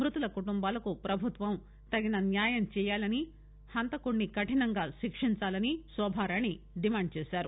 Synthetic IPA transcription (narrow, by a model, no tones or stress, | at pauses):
mɾut̪ulɐkuʈumbaːlɐkupɾɐbʱut̪ʋɐm | t̪ɐɡinɐnjaːjɐmt͡ʃɛːjaːlɐni | hɐnt̪ɐkuɳːikɐʈinɐŋɡaːʃikʂiɲt͡ʃaːlɐnisʋɐːbʱaːɾani | ɖimaːɳɖ̚t͡ʃɛːsaːɾu